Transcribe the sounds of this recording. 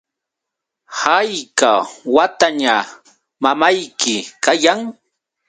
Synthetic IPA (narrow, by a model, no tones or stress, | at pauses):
hajkawat̪aɲa | mamajkɪkajaŋ